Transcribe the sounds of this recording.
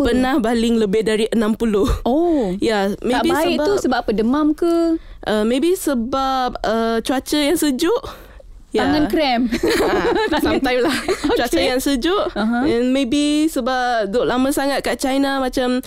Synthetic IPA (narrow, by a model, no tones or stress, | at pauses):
pərnahbalɪŋləbɪhdaɾiʔənãmpulʊhojamebiasibausəbapədəmamkəʔəmebisəbap̚ət͡ʃuat͡ʃəjaŋsəd͡ʒʊʔ | jaŋãnkɾɛm | samt̪ajlaht͡ʃuat͡ʃəjjaŋsəd͡ʒʊʔɦɛnmebisəbadʊʔlaməsaŋat̪̚kaʔt͡ʃajnamãt͡ʃam